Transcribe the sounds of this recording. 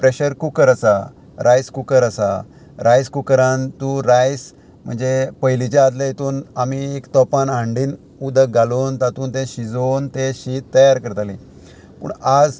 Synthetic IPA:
pɾeɕəɾkukəɾəsa̰ | ɾajskukəɾəsa̰ | ɾajskukəɾant̪uɾajs | m̤ə̰ɳd͡zepəjlit͡ɕaad̪lajet̪uːnamiekt̪ɔpanãɳɖiːn | ud̪əɡaloːnt̪at̪uːnt̪ẽɕid͡zont̪eɕiːt̪ːəjaɾkəɾt̪ale | pṵːɳad͡z

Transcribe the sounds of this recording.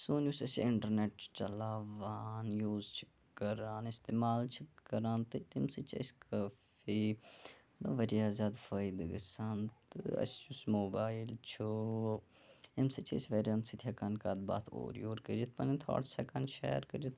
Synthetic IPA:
soːnusɐsḭɪɳʈəɾneʈt͡ʃt͡ʃɐlaːʋaːnjuːzt͡ʃʰi̥ | kːɐɾaːnɪst̪eːmaːlt͡ʃʰikɐɾaːnt̪ɨt̪imsit͡ʃʰḛskʰɐfi | d̪ɐʋɐɾiaːzaːd̪fɐid̪ɡəsaːnt̪ɨɐ̰st͡ʃusmoːbaːilt͡ʃʰu | emsit͡ʃʰḛsʲʋeɾiɐmsit̪ʰʲɐkankaːd̪̚ba̰ːt̪ʰo̰ːɾḭoːɾkɐɾiit̪̚ʰpɐnint̪ʰa̰ːɽsɛkɐnʃɛ̰ːɾkɐɾiit̪

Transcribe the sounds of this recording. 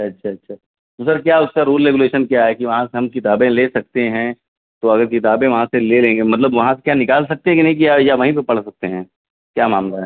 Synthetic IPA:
ɐtːʃʰatːʃʰaː | d̪uːsəɾkjaʊskaɾuːlɾeːɡuleːʃənkjaɦɛkiʋɐɦãseɦɐmkɪt̪aːbẽleːsɐk̚t̪eɦɛ̃ | t̪oɐɡəɾkɪt̪̬aːbẽʋɐɦãselelẽːŋɡemɐt̪ləbʋɐɦãse̥kjanɪkaːlsɐk̚t̪eɦɛ̃kinɐɦĩk̬iajaʋɐɦĩp̬epɐɽ̤sɐk̚t̪eɦɛ̃ː | kjaːmaːmlaɦɛː

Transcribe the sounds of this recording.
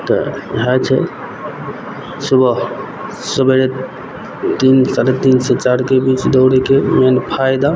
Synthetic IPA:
t̪ɔ̰ɦat͡ʃʰɛ̰ | subʱə | səbəɾe | t̪insaɾet̪insɛt͡ʃaɾkebit͡ʃd̪oʊɽekemenpʰajd̪a

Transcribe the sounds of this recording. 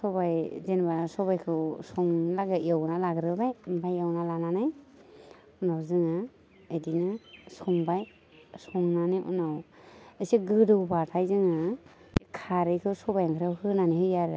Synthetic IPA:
sɔbajzenbasɔbajkʰɯwsɔŋlaɡɯiawnalaɡɾɯbajmbʰajawnalananaj | unawzɯŋɯ | edinasɔŋbaj | sɔŋnaniʔṵnawesiɡɯdɯwbatʰajzɯŋɯ | kʰaɾɯkʰɯsɔbajaŋkʰɾawhɯnanihɯjaɾɯ

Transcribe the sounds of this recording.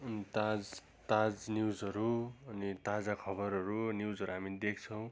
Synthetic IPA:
nt̪ad͡z | t̪ad͡znjud͡zʌɾuʌnit̪ad͡zakʰʌbʌɾʌɾunjud͡zʌɾuɦamid̪ekʰt͡sʰʌw̃

